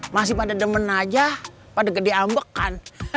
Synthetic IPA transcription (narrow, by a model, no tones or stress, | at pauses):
mas̬ɪhpadadəmənːad͡ʒapadaɡədeambəkːan